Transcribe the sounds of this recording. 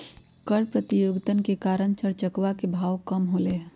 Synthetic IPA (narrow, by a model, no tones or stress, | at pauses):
kəɾpɾət̪ijoɡt̪ənkekaːɾəɳt͡ʃəɾt͡ʃəkʋakebʱaːwkəmɦole